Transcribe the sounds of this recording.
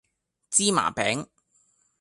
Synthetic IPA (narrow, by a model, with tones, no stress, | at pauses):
t͡siː˥ma̰ː˨˩pɛː˨˥ŋ